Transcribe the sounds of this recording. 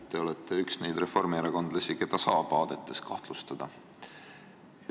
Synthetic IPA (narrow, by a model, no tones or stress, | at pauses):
t̪ːe̞o̞lɛt̪ːˑeyksne̞jd̪re̞fo̞rmeɾɑko̞nd̪̥lɑsʲike̞d̪̥ɑsɑːbɑːd̪̥e̞t̪ːˑe̞skɑht̪lust̪ɑd̪̥ɑ